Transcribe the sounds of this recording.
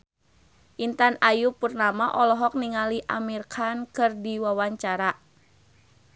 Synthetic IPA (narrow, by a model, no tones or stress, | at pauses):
ʔint̪anajupurnamaʔɔlɔɦɔk̚niŋaliʔamirkʰankɨrdiwawaɲt͡ʃaɾa